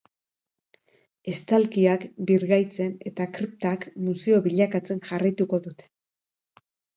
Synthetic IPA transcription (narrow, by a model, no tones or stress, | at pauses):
e̞st̪alkiakbiɾɣajt͡se̞ne̞t̪akɾip̚t̪akmuse̞o̞βiʎakat͡se̞nʝarajt̪uko̞ðut̪e̥